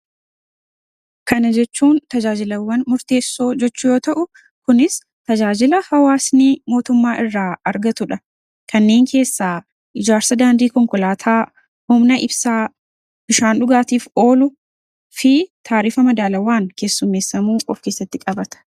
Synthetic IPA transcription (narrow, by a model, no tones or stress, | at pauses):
kɐnɐd͡ʒɛt͡ʃːuːnt̪ɐd͡ʒaːd͡ʒɪlɐwːɐnmʊɾt̪e̞ːsːo̞ːd͡ʒɛt͡ʃːʊjo̞ːt̪ɐʔʊ | kʊnɪs | t̪ɐd͡ʒaːd͡ʒɪlɐhɐwaːsniːmo̞ːt̪ʊmːaːʔɪrːaːɐɾɡɐt̪ʊᶑɐ | kʰɐnːe̞ːŋkʰe̞ːsːaː | ʔɪd͡ʒaːɾsɐd̪aːnd̪iːkɔŋkɔlaːt̪ʰaː | hʊmnɐʔɪbsaː | b̥ɪʃaːnᶑʊɡaːt̪iːfo̞ːlʊ | fɪt̪ʰaːɾiːfɐmɐd̪aːlɐwaːŋkʰe̞ːsːʊmːe̞ːsːɐmuːʔɔfke̞ːsːɐt̪ːɪkʼɐbɐt̪ɐ̥